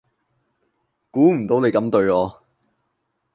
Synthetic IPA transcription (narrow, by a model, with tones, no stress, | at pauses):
kuː˨˥m̩˨˩t̪o˨˥wne˨˧jkɐ˨˥mt̪ɵ˧ɥɔː˨˧